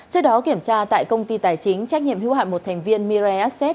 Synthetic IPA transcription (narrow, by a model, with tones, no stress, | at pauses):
t͡ɕɨ˦˥ək̚ɗɔ˨˦ki˧˩əmt͡ɕaː˧t̪a̰ː˧˨jkə˧wŋ͡mt̪i˧t̪aː˨˩jt͡ɕï˨˦ŋ̟t͡ɕɛ˦˥k̚ɲḭ˧˨əmhḭ˧˥wha̰ː˧˨jmo˨˩t̪ʰɛ˨˩ŋ̟vi˧ənmi˧zɛ˧ʔa˦˥t̚sɛ˦˥t̚